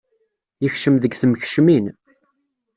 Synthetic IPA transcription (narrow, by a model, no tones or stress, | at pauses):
jəçʃəmðəɡθəməçʃmin